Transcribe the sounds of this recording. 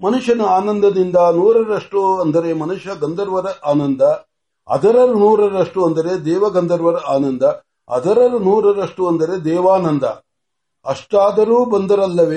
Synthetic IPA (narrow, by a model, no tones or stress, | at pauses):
mɐnuʂɐnɐaːnɐnd̪ɐd̪ind̪ɐnuːɾɐɾɐʂʈuɐnd̪ɐɾemɐnuʂɐɡɐnd̪ɐɾʋɐɾɐʔaːnɐnd̪ɐ | ɐ̰d̪ɐɾɐɾnuːɾɐɾɐʂʈuɐnd̪ɐɾed̪ɛːʋɐɡɐnd̪ɐɾʋɐɾɐʔaːnɐnd̪ɐ | ɐ̰d̪ɐɾɐɾnuːɾɐɾɐʂʈuɐnd̪ɐɾe̞d̪ɛːʋaːnɐnd̪ʱɐ | ɐʂʈaːd̪ɐɾuːbɐnd̪ɐɾɐlːɐʋe